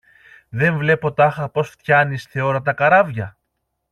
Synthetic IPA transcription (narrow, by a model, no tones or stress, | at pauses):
ðe̞ɱvle̞po̞t̪ɐxɐpo̞sft̪çɐnisθe̞o̞ɾɐt̪ɐkɐɾɐvʝɐ